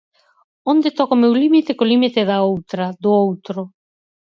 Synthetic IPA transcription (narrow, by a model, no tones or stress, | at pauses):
ond̪et̪ɔkomewlimit̪ekolimit̪eðaowt̪ɾɐd̪ʊowt̪ɾʊ